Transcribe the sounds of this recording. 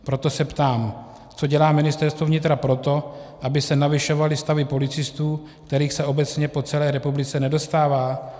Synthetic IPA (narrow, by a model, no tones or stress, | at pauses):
pɾo̞t̪o̞sɛpt̪aːm | t͡so̞ɟɛlaːmɪnɪst̪ɛɾst̪vo̞vɲɪt̪ɾapɾo̞t̪o̞ʔabɪsɛnavɪʃo̞valɪst̪avɪpo̞lɪt͡sɪst̪uː | kt̪ɛɾiːxsɛʔo̞bɛt͡sɲɛpo̞t͡sɛlɛːɾɛpublɪt͡sɛnɛdo̞st̪aːvaː